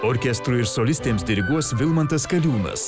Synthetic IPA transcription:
ɔɾʲkʲɛst̪ɾuːɪɾsɔlʲɪsʲt̪ʲeːmsd̪ʲɪɾʲɪɡuɔsʋʲɪlˠmɐnt̪ɐskɐlʲuːnɐ̰s

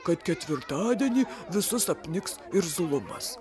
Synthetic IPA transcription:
kɐt̪kʲɛt̪ʲʋʲɪɾt̪ɑːd̪ʲiɛnʲiːʋʲɪsʊsɐpʲnʲɪksɪɾzʊlˠʊmɐ̰s

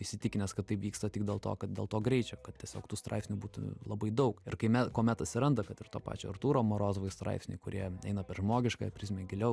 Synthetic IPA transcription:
ɪʃʲsʲɪt̪ʲɪkʲɪnʲɛːskɐt̪̚tɐɪpʋʲiːkst̪ɐtʲɪɡ̚d̪ʲeːlˠt̪o̰ːkɐt̪̚d̪ʲḛːlˠt̪oːɡɾʲɛɪt͡ʃʲoːkɐt̪̚tʲiɛsʲoːkt̪uːst̪ɾɐ̰ɪpʲsʲnʲubuːt̪ʊ̰lˠɐbɐɪd̪ɐʊkɪɾkɐɪmʲɛtkoːmʲɛt̪ɐt̪ʲsʲɪɾɐnd̪ɐkɐt̪ɪɾt̪oːpɑ̰ːt͡ʃʲo̰ːɐrt̪uːɾoːmoːɾoːzʋoɪst̪ɾɐ̰ɪpʲsʲnʲʊ̰ɪkʊɾʲiɛɛɪnɐpʲɛrʒmoːɡʲɪʃkɑːpʲɾʲɪsʲmʲeːɡʲɪlʲɛʊ

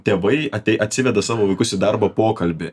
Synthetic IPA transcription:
t̪ʲeːʋɐɪɐt̪ʲɛɪʔɐt̪ʲsʲɪʋʲɛd̪ɐsɑːʋoːʋɐɪkʊsʲɪd̪ɐɾbɐpoːkɐlʲbʲɪ

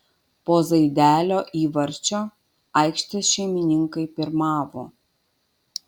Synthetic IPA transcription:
poːzɐɪd̪ʲæːlʲoːʔiːʋɐɾʲt͡ʃʲoː | ɐˑɪkʃʲt̪ʲɪsʃʲɛɪmʲɪnʲɪŋkɐɪpʲɪɾmɑːʋoː

